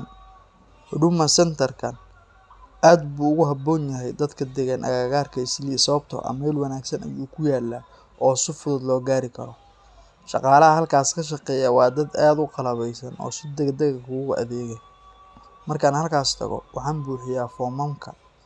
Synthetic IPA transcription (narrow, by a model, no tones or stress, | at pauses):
ɖʊmɐsɛnt̪ʰɐrkʰɐn | aːd̪buːʊɣʊɦɐbɔːnjɐɦɛjd̪ɐd̪kʰɐd̪ɛɣanʔɐ̰ɣaɣaːrkʰɐɪslisɐɐb̚t̪ʰɔ̰ʔɐ̰mɛlwɑnaːɡsɐnɐ̰juːkʰʊjaːlːa | ʔɔːsɪfʊðʊd̪lɔːɡaːɾɪkʰɐɾɔ | ʃɑ̰qɑːlɐɦɐɦɐlkʰaːskʰɐʃ̬ɑqɛːjɐwɑːd̪ɐd̪aːd̪ʊqɑlɐβɛjsɐnɔ̰ːsɪd̪ɛɡd̪ɛɣɐkʰʊɣʊʔɐ̰ðɛːɣɛ | mɐrkʰaːnhɐlkʰaːst̪ʰɐ̰ɣɔ̰wɑħɑːnbuːħɪjaːfɔmɐmkʰɐ̰